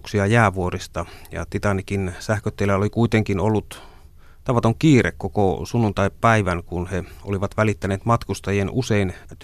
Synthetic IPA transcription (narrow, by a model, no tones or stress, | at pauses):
ksiɑjæːʋuorist̪ɑjɑ̰t̪it̪ɑnikinsæhkøt̪ːelːæolikuit̪eŋkinolːut̪ | t̪ɑʋɑt̪oŋkiːrḛkkokosunːunt̪ɑippæiʋænkunheo̰liʋɑt̪ʋælit̪ːæneːt̪mɑt̪kust̪ɑjienuseint̪